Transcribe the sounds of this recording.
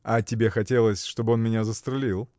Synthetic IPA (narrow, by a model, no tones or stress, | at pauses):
ɐtʲɪbʲe̞xɐtʲe̞lˠəsʲʂt̪o̞bɨo̞nmʲɪnʲazəst̪ɾʲɪlʲilˠ